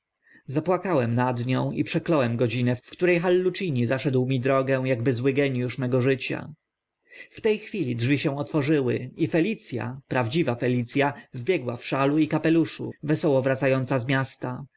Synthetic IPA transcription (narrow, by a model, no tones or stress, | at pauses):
zapwakawɛmnad̪ɲɔ̃w̃ḭpʂɛklɔwɛmɡɔd͡ʑinɛffkt̪uɾɛjxalːut͡ʂiɲizaʂɛd̪wmʲid̪ɾɔɡɛ̃w̃jaɡbɘzwɘɡɛɲjuʂmɛɡɔʐɘt͡ɕa̰ | ft̪ɛjxfʲilʲidʐvʲiɕɛ̃w̃ɔt̪fɔʐɘwɘ̰ifɛlʲit̪sʲja̰pɾavd͡ʑivafɛlʲit̪sʲjavbʲjɛɡwafʂaluikapɛluʂṵvɛsɔwɔvɾat̪sajɔnt̪sazmʲjast̪a